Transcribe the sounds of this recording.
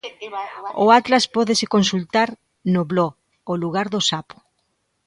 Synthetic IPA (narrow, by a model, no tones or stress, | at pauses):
oat̪laspɔðesekonsult̪aɾ | noβlɔɣ | oluɣaɾðosapo̥